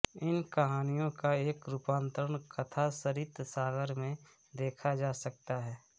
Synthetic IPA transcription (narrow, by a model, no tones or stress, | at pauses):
ɪnkɐɦaːnijõkaeːkɾupãːnt̪əɾəɳkɐt̪ʰasəɾit̪saːɡəɾmẽ | d̪eːkʰad͡ʒaːsɐk̚t̪aɦɛː